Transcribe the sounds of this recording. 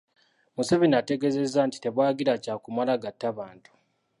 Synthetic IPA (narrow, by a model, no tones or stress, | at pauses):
museβinate̞ɡe̞ze̞zːanti̥te̞βwaːɡiɾacaːkumalaɡatːaβaːntʰu̥